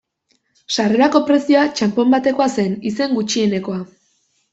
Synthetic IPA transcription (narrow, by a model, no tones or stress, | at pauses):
ʃare̞ɾako̞pɾe̞siat͡ʃampo̞mbat̪e̞ko̞ase̞nise̞ŋɡut͡ʃie̞ne̞ko̞a